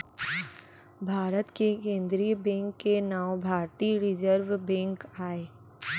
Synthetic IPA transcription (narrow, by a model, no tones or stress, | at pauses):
bʱaːɾət̪kekẽːnd̪ɾibɛ̃ːŋkːenaːobʱaːɾt̪iːɾɪd͡ʒəɾʋbɛ̃ːŋkaːeː